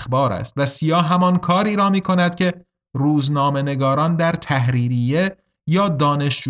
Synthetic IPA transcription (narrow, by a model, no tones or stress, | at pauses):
xbɒːɾæ̰st̪væsijɒːɦæmɒnkʰɒːɾiːɾɒːmiːkʰo̞næd̪̥cʲʰe̞ | ruːznɒːme̞ne̞ɡɒːɾɒːnd̪æɾt̪ʰæɦɾiːɾiːje | jɒːd̪ɒːne̞ʃd͡ʒ